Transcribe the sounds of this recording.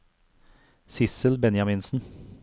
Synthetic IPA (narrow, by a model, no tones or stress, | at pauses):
sɪsəlbɛnjɑmɪnsn̩